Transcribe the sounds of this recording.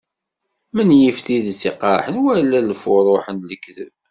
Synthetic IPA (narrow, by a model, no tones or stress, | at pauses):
mənjəfθiðt͡sːiqɑɾˤħənwælːæləfʊɾˤoħənləkːðə̰v